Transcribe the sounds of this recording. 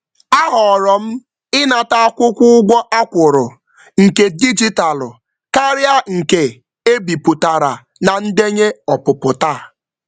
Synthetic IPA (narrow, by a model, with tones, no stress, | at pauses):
a˦ɦɔ˨ɾɔ˨m̩˦ | ɪ˦na˨ta˦a˦kʷʊ˦kʷʊ˦ʊ˦ɡʷɔ˦ʔa˦kʷʊ˨ɾʊ˨ | ŋ̩˨ke˨di˦d͡ʒi˦ta˨lʊ˨ | ka˦ɾja˦ŋ̩˨ke˨ | e˦bi˨pʊ˨ta˨ɾa˨ | na˨n̩˦de˦ɲe˦ɔ˨pʊ˨pʊ˨ta˦˨